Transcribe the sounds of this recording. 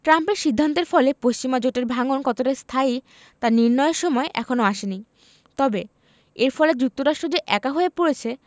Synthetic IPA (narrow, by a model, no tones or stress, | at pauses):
ʈɾampeɾʃid̪ʱːant̪eɾfɔlepost͡ɕimad͡ʑoʈeɾbʱaŋonkɔt̪oʈaɾst̪ʰai | t̪aniɾnɔeeɾʃɔmɔeʔɛkʰonoaʃeni | t̪ɔbe | eɾfɔled͡ʑuk̚t̪oɾaʃʈɾod͡ʑeʔɛkaɦoepoɽet͡ɕʰe